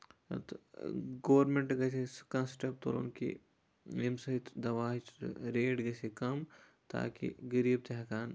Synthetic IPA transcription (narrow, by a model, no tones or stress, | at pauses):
t̪ɡoːɾmẽɳʈɡɛːseskɐ̃sʈɐp̚t̪o̰ːlo̰nkḭ | emsɐɦɪt̪d̪ɐʋaːɦt͡ʃɾeːʈɡɛːsekɐm | t̪a̰ːkḭɡɐɾiːb̚t̪eɦkaːn